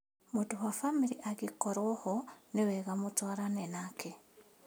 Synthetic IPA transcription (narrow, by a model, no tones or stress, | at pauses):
mutuhafamiɾiʔaɡikoɾwohoneweɣamutwaɾanenakʰe